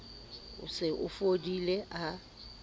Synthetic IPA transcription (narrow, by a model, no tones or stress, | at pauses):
ʊ̰sɪʔʊ̰fodileʔa